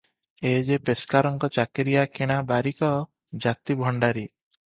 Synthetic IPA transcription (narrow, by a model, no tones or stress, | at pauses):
ed͡ʒepeskaɾɔŋkɔt͡ʃakeɾijakiɽ̃abaɾikɔ | d͡ʒat̪ibʱɔɳɖaɾi